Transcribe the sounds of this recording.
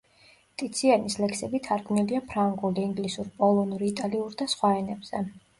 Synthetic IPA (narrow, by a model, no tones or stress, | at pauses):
t̪ʼit̪sʰianislɛkʰsɛbit̪ʰaɾɡvmniliapʰɾaŋɡuliiŋɡlisuɾpʼɔlˠɔnuɾiit̪ʼaliuɾd̪asχwaɛnɛbz̥ɛ